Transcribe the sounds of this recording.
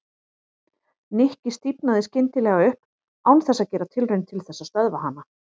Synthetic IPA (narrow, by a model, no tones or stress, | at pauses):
nɪhcɪst̪ipnaðɪscɪnt̪ɪlɛːɣaʏhp | awnθɛsːaðcɛːɾat̪ʰɪlrœɥnt̪ʰɪlθɛsːast̪œðvaɦanːa